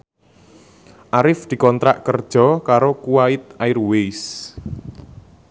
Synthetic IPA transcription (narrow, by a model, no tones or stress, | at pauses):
ʔaɾɪfd̪̥i̤kɔnt̪ɾaʔkərd̥ʒ̥ɔ̤kaɾokuwaɪt̪̚aɪrwes